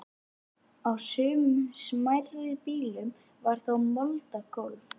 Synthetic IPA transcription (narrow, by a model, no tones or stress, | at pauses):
awsʏːmʏsmajɾɪðpiːlʏm | vaɾ̥θowmɔlt̪akowlf